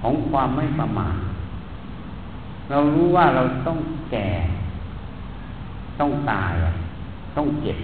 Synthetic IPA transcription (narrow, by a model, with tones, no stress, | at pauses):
kʰɔː˩˦ŋkʰwaː˧mːa˥˩jpa˧ma̰ː˨˩t | ɾa˧wɾuː˦˥waː˥˩ɾa˧wt̪ɔ˥˩ŋkɛː˨˩ | t̪ɔ˥˩ŋt̪aː˧jla̰˨˩ | t̪ɔ˥˩ŋt͡ɕe˨˩p̚